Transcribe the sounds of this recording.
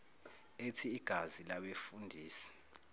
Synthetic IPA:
etʰiːɡ̥ʱazilaɓefundʱiːsɛ̥

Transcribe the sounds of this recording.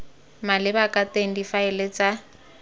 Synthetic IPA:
malɪbakʼateŋ̩difaɛlet͡sʼa

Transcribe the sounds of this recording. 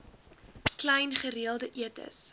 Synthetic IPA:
klɛjnχəɾiəlˠdəʔiətə̰s

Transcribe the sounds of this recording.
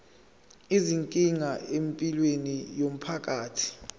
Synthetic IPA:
iziŋkʼiŋaempʼilwenijom̩pʰak̬ʼaːtʰi̥

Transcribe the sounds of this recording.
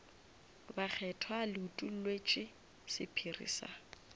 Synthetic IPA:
bak͡xʰɛtʰalɪutʼul̩lwet͡ʃʼɪ | sɪpʰirḭːsa̰

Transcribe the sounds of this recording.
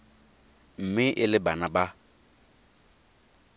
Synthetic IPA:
m̩mɪʔɪlɪbanaba

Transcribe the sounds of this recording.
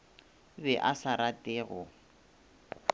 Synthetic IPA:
bɛʔasaɾatʼɪːɣʊ

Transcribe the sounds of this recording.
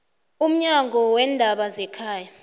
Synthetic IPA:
um̩ɲaŋʱɔwɛndʱaɓazɛkʰaːja

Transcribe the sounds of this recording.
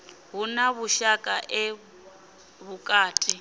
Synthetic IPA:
ɦunaβuʃakʼaʔɛ | βukʼaːtʼi

